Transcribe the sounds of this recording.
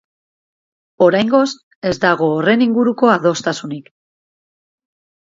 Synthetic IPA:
o̞ɾajŋɡo̞s | e̞zd̪aɣ̞o̞ːre̞niŋɡuɾuko̞aðo̞st̪asunik

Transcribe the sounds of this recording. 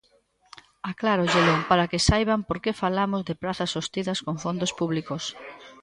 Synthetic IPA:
aklaɾoʎelopaɾakɪsajβampoɾkefalamozðeɪpɾaθɐsost̪iðɐskoŋfond̪ospuβlikos

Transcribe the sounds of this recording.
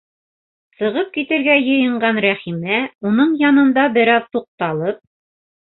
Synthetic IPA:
sɤ̆ʁɤp̚kit̪ɘ̆ɾɡæjɤ̆jɤ̆ɴɢɑnɾæχimæunɤɴjɑnɤ̆nd̪ɑbɘɾɑðt̪uq̚t̪ɑlˠɤp̚

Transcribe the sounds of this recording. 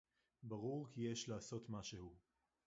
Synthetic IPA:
baʁuʁkijeʃlaːso̞t̪maʃehu

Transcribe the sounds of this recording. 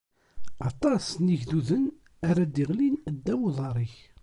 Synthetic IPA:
ɑt̪ˤɑsniʝðuðən | aɾæd̪iʁlind̪ːæwuðˤɑɾˤiç

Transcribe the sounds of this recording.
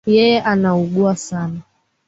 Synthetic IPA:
jɛjɛʔanauɠuasana

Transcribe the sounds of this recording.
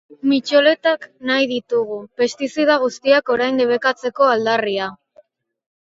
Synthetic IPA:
mit͡ʃole̞t̪aknajðit̪uɣ̞upe̞st̪isiðaɣ̞ust̪iako̞ɾajnd̪eβe̞kat͡se̞ko̞ald̪aria

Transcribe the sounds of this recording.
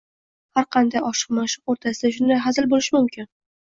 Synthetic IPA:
haɾqʰɑnd̪ajɒʃɨ̥qmaʃɪqoɾt̪ʰasɪd̪aʃ̬ʊnd̪ajɦazɪlbolɪʃɪmʊmkʲɪn

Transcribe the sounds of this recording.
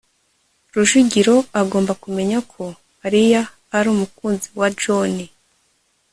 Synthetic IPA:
ɾuʒuɟiɾo̞aɡo̞ːmbakume̞ɲakʰo̞ | aɾijaː | ɾuːmukuːnziwad͡ʒoni

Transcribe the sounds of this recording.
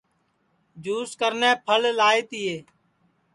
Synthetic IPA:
d͡ʒuːskəɾnẽːpʰəllaːeːt̪ɪːeː

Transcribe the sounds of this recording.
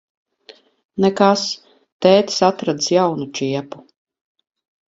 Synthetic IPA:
nɛkas | t̪ɛːt̪sat̪ɾad̪sjawnut͡ʃiɛpu̥

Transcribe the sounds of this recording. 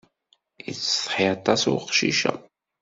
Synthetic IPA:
jḭt͡sːsˤħiɑt̪ˤɑsʊqʃḭʃæ̰

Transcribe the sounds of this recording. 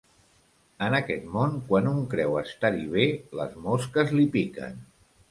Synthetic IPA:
ənəkɛt̪monkwanuŋkɾɛwəst̪aɾiβ̞elə̰zmoskəzlipikə̰n

